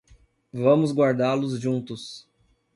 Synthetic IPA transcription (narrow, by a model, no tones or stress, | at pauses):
vɐ̃mʊzɡwaɾd̪alʊzʒũnt̪ʊs